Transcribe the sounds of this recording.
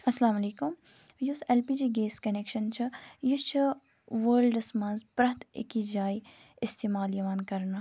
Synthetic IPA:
ɐslaːmɐleːkʊm | juseːlpiːd͡ʒiːɡeːskɐneːkʃɐnt͡ʃʰɐjɪst͡ʃʰɐ | ʋəːlɖɐsmɐ̃nzpɾɐt̪ɪ̰kid͡ʒaːi | ɪst̪eːmaːljɐʋaːnkɐɾna

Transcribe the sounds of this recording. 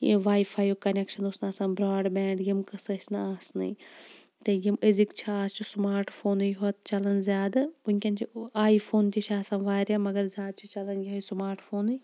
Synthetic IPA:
jḭʋaːjfʰaːjokɐnekʃɐnosnaːsãːbɾaːɖbɛːɳɖjimkɐsɐt͡ʃʰnɨaːsnɐ̰ | t̪ɐjiməzikt͡ʃʰiaːst͡ʃʰusmaːɾʈpʰoːnɨjɦot̪t͡ʃɐlɐnzʲjaːd̪uŋʲkʲɐnt͡ʃʰiaːipʰoːnt̪iʃʰaːsãːnʋaːɾamɐɡɐɾzʲaːd̪̚t͡ʃʰut͡ʃɐlɐnjʲiɦosmaːɾʈfʰoːnɨ

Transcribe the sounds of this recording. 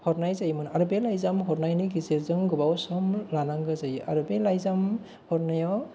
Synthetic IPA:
hɔɾnajzajmɯnaɾɯbelajzamɦɔɾnajniɡizeɾzɯŋɡɯbawsɔmlanaŋɡɯzajɯʔa̰ɾɯbelajzam | hɔɾnajɔ

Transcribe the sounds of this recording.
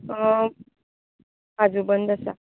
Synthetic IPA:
ad͡zubənd̪əsa̰

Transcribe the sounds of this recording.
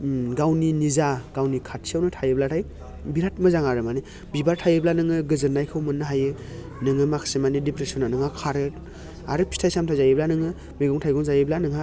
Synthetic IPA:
ɡawninizaɡ̥awnikʰat̚siawnɯtʰajɯblatʰaj | biɾat̚mɯzaŋaɾɯmani | bibaɾtʰajɯblanɯŋɯɡɯzɯɾnajkʰɯwmɯnːɯɦajɯ | nɯŋɯmakʰsemanidipɾesɔnanɯŋakʰaɾɯ | aɾɯpʰi̥stʰajsamtʰajzajiblanɯŋɯ | meɡɔŋtʰajɡɔŋzajeblanɯŋa

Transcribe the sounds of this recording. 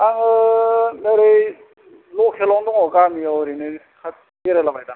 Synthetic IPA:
aŋɯnaɾej | lɔkʰelɔŋdɔŋɔkamiawɾinɯ | kʰa | eɾelabajda

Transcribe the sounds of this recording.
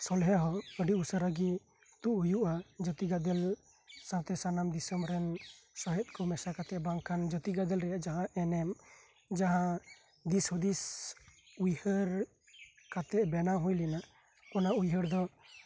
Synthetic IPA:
sɔlɦaɦɔəɖiʔusəɾaɡi | t̪uʔujuʔad͡ʒət̪iɡad̪ɛl | sãt̪ɛsanamd̪isəmɾɛnsɔɦɛt̪̚kɔmɛsakat̪ɛʔbaŋkʰand͡ʒət̪iɡad̪ɛlɾɛjaʔd͡ʒaɦãʔɛnɛm | d͡ʒaɦã | d̪ishud̪is | ujhəɾ | kat̪ɛʔbɛnaɦũjlina | kɔnaujɦəɾd̪ɔ

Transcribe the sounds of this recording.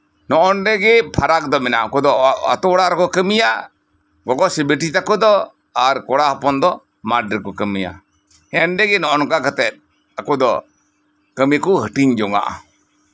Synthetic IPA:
nɔʔɔnɖɛɡɛpʰaɾak̚d̪ɔmɛnaakɔd̪ɔa̰t̪ɔwɽaɾɛkɔkəmija | ɡɔkɔsibiʈit̪akɔd̪ɔ | aɾkɔɽahɔpɔnd̪ɔ | maɖ̚ɾɛkɔkəmija̰ | ɛnɖɛɡɛnɔʔɔnɔkakat̪ɛt̪̚ | akɔd̪ɔ̰ | kəmikɔhəʈiɲd͡ʒɔŋa̰ʔa̰

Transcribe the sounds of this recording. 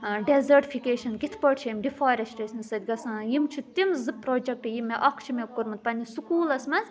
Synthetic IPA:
ɖezɐʈifʰikeːʃɐnkit̪ʰpəʈt͡ʃʰiimɖifaːɾɐsʈesʲnɨsɐt̪ʲɡɐsɐ̃ːjimt͡ʃʰut̪imzɨpɾoːd͡ʒɐk̚ʈijimːeʔɐkʰt͡ʃʰimekuɾmɐt̪̚pɐnʲisukuːlɐsmɐnz

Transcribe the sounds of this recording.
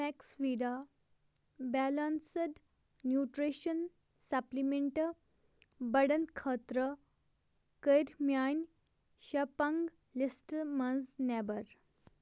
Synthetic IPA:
mɛksʋiɾa | bɛlansəɖː | juʈɾeɕən | saplimeɳʈə | bəɽənkʰət̪ɾə | kəjɾmjan | ɕapãŋɡ | lisʈmənznɛbəɾ

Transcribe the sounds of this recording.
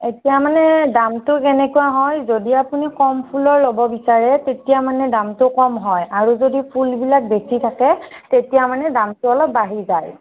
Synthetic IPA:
etijamanɛdamtʊkɛnɛkuaɦɔjzodiapunikɔmpʰulɔɹlobɔbisaɹɛtetijamanɛdamtʊkɔmɦɔjaɹuzodipʰulbilak̚besitʰakɛtetijamanɛdamtʊɔlɔpːaɦizaj

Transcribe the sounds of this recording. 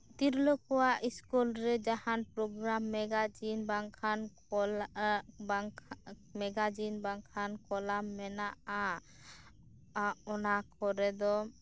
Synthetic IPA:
t̪iɾlɔkɔwaʔiskulɾɛd͡ʒahanpɾɔɡɾamːɛɡad͡ʒinbaŋkʰan | ɔ | mɛɡad͡ʒinbaŋkʰankɔlamːɛnaʔa | ɔnakɔɾɛd̪ɔ

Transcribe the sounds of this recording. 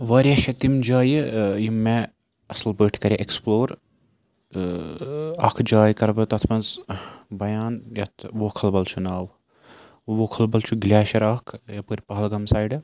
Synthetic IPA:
ʋɐːɾʲjɐʃɐt̪imd͡ʒaːjjimːe | ɐslbəːʈʰkɐɾʲeʔeksploːɾ | ɐkʰd͡ʒaːjkɐɾbɨt̪ɐt̪ʰmɐnzbɐjaːnjɐt̪ʰʋoːkʰɐlbɐlt͡ʃʰunaːʋ | ʋoːkʰɐlbɐlt͡ʃʰuɡlʲaːʃɐɾɐkʰjɐpɨɾʲpɐɦɐlɡɐmsaːjɖɐ

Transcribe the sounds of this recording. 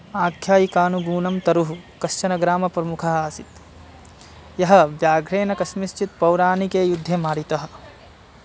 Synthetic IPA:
aːkʰjaːjikaːnuɡuːnɐmt̪ɐɾuɦukɐʃt͡ʃɐnɐɡɾaːmɐpɾɐmukʰɐɦɐaːsit̪ | jɐɦɐ̆ʋjaːɡʱɾeːnɐkɐsmist͡ʃit̪̚pɐwɾaːnikeːjud̪ʱːemaːɾit̪ɐɦɐ̆

